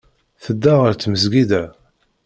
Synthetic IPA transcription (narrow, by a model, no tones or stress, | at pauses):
θəd̪ːaʁəɾt͡sːməzɡid̪æ